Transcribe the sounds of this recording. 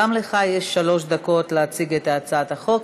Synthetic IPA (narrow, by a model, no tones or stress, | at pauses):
amleχajeʃːalo̞ʃd̪ako̞tleat͡siɡet̪aːt͡saat̪aχo̞k